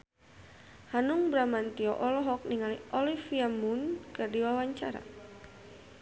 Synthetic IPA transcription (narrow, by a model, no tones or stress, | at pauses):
hanuŋbɾamant̪iɔʔɔlɔɦɔk̚niŋaliʔɔlifiamunkərdiwawaɲt͡ʃaɾa̰